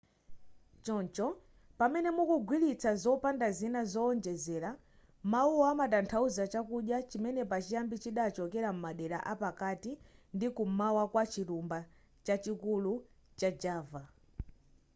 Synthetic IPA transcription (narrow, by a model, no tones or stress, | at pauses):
t͡ʃɔnt͡ʃɔ | pamɛnɛmukuɡwilit͡sazɔpandazinazɔɔnd͡ʒɛzɛːɾa | mauamatantʰauzat͡ʃakuɗjat͡ʃimɛnɛpat͡ʃijambit͡ʃiɗat͡ʃɔkɛɾam̩maɗɛɾa̰ʔapakatindikumawakwat͡ʃiɾumba | t͡ʃat͡ʃikulu | t͡ʃad͡ʒaːva